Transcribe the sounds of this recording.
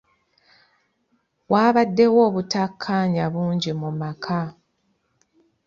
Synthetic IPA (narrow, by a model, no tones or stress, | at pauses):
waːβadːe̞wo̞ːβutakʰːaːɲaβuːɲɟimumakʰa